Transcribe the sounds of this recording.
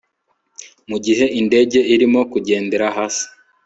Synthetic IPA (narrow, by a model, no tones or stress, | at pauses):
muɟiɦe̞ʔinde̞ɟe̞ʔiɾimo̞kuɟe̞ːnde̞ɾaɦaːsi̥